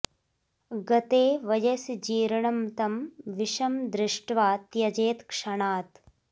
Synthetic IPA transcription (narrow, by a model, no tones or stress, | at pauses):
ɡɐt̪eːʋɐd͡ʒɐsd͡ʒiːɾɐɳɐmt̪ɐmʋiʃɐmd̪ɾɪʂʈʋaːt̪jɐd͡ʒeːt̪kʂɐɳaːt̪